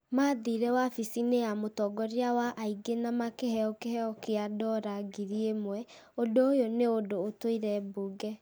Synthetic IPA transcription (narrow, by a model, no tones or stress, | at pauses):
maːðiɾɛwafisineamotɔɡɔɾiawaʔaiɡenamakehɛɔkehɛɔkeadɔɾaɡiɾiemwɛ | ondoojoneodoːtoiɾɛboɡɛ